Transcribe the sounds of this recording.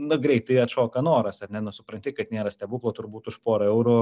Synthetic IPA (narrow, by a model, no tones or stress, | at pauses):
nʊɡɾʲɛɪt̪t̪ɐɪɐt̪ʃoːkɐnoːɾɐsɐrnʲɛnʊsʊpɾɐnʲt̪ʲɪkɐt̪nʲeːɾɐsʲt̪ʲɛbuːklˠoːt̪ʊɾbuːt̪ʊʃpoːɾɐɛʊɾʊ